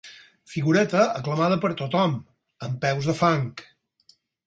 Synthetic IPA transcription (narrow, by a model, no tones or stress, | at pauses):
fiɣuɾɛt̪əəkləmað̞əpəɾt̪ot̪ɔm | əmpɛwzðəfaŋk